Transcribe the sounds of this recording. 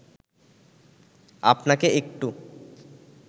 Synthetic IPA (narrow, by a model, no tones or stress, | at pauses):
a̰pnakeekʈu